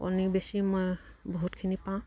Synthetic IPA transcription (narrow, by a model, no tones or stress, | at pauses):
o̰nibesimɔj | bɔɦutkʰinipaʊ̃